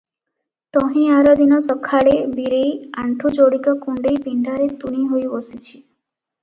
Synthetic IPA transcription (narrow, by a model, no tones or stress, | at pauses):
t̪ɔɦĩaɾɔd̪inɔsɔkʰaɭebiɾejaɳʈʰud͡ʒoɽikɔkuɳɖejpiɳɖʱaɾet̪uɽ̃iɦojbɔsit͡ʃʰi̥